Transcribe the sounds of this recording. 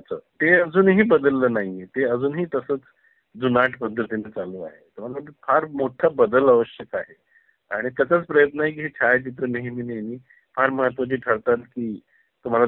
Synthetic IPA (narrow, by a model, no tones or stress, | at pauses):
at͡sʰə̰ːt̪eəd͡zuːnɦiːbəd̪əlːəːnaɦit̪eəd͡zuːnɦiːt̪əsəːt͡s | d͡zunaʈpənd̪ɾət̪inet͡saluːa̰ɦet̪um̤alafʰaɾmoʈʰabəd̪ələʋəɕjəkaɦe | aɽ̃it̪jat͡ɕat͡spɾəjət̪nəaɦik̬iːɦet͡ɕʰajt͡ɕit̪ɾəmeɦimineniː | panməɦət̪ʋat͡ɕiːʈʰəɭt̪at̪kiː | t̪um̤ala